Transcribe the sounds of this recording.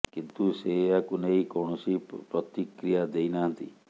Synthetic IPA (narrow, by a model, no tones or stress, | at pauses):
kint̪useakuneikɔɳ̃ɔsipɾɔt̪ikɾijad̪ejnaɦənt̪ḭ